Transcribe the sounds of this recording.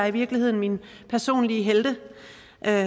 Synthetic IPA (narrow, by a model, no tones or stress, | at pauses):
ɑiʋiɐɡ̥lihe̝ð̞̰ˠn̩min | pʰæɐso̝̰ːnliəɦeld̥ə | ʔø